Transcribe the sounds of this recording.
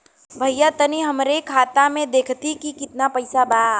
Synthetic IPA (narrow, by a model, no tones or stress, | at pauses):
bʱɐjat̪ɐniɦɐmɾekʰaːt̪amẽd̪eːkʰt̪ikikɪt̪napɐɪsabaa